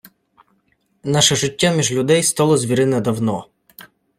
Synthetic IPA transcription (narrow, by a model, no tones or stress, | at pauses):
nɑʃɛʒɪtʲːamʲiʒlʲʊd̪ɛjst̪ɑlˠɔzʲʋʲiɾɪnɛd̪ɐwnɔ